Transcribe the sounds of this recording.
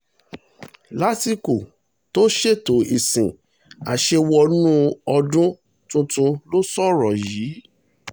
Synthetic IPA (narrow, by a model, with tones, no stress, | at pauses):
la˦ti˦ko˨ | to˦ʃe˦˨to˨˦i˨sĩ˨ | a̰˨ʃe˧wɔ˧nũ˦ɔ˧dũ˦ | tũ˧tũ˧lo˦sɔ˦ɾɔ˨jiː˨˦